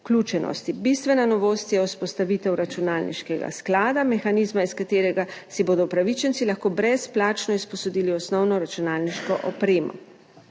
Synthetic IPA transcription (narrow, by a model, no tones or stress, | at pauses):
uklʲuːt͡ʃɛnɔ̰st̪ibist̪ʋɛnanɔʋoːst̪jɛuspɔst̪aʋiːt̪ɛwɾat͡ʃunaːlnḭʃkɛɡa̰sklaːd̪amɛxaniːzmaiskat̪eːɾɛɡasiboːd̪ɔpɾaʋit͡ʃɛnt̪silaxkoːbɾɛsplaːt͡ʃnɔispɔsɔd̪iːliɔsnɔwnɔɾat͡ʃunaːlniʃkɔʔɔpɾeːmɔ̰